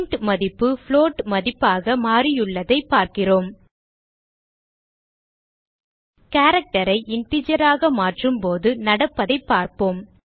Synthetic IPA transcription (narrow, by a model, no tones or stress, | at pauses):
nʈmɐðɪpːɯfɭoːʈmɐðɪpːaːɣɐmaːrɪjɯɭːɐðɐɪpːaːɾkɪroːm | kaːɾɐk̚ʈɐɾɐɪʔɪɳʈɪd͡ʒɐɾaːɣɐmaːʈrɯmpoːðɯnɐɽɐpːɐðɐɪpːaːɾpoːm